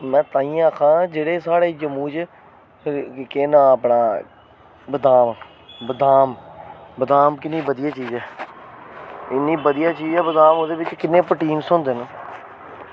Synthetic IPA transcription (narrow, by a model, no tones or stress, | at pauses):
mɛ̃ːt̪aːĩːaːkʰãːd͡ʒeːɽeːsaːɽeːd͡ʒəmũːt͡ʃ | keːnãːəpɳaː | bəd̪aːmaː | bəd̪aːmbəd̪aːmkɪnːiːbəd̪ɪjaːt͡ʃiːzɛː | ɪnːiːbəd̪ijaːt͡ʃiːzɛːbəd̪aːmod̪eːʋɪt͡ʃkɪnːẽːpəʈiːnsʊnd̪eːnãː